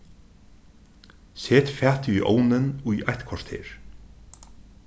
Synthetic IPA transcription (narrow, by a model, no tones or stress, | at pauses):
seːt̪fæːt̪iʔo̰ːwnɪnujʔajt̪kʰvɔʂt̪ʰḛːɹ̥